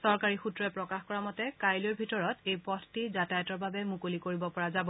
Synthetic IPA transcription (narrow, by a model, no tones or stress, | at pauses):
sɔɹkaɹixutɹɔɛpɹɔkaxkɔɹamɔtɛkajljɔɹbʱitɔɹɔtejpɔtʰtizatajɔtɔɹbabɛmukolikoɹibɔpɔɹazabɔ